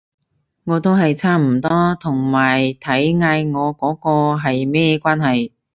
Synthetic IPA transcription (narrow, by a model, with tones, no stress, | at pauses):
ŋɔː˨˧t̪o˥wɦɐ˨jt͡sʰaː˥m̩˨˩t̪ɔː˥t̪ʰʊ˨˩ŋmaː˨˩jt̪ʰɐ˨˥jŋaː˧jŋɔː˨˧kɔː˨˥kɔː˧ɦɐ˨jmɛː˥ɛ˧kʷwaː˥nɦɐ˨j